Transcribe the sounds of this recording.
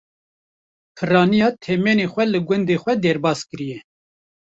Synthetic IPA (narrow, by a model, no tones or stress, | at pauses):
pʰɨrɑːnijɑːt̪ʰɛmeːnexʷɛlɨɡʷʊnd̪exʷɛd̪ɛɾbɑːskɨɾijɛ